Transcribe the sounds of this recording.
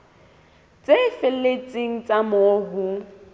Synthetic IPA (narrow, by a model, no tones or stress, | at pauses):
t͡sʼefɪlet͡sʼiŋ̩t͡sʼamoːɦʊ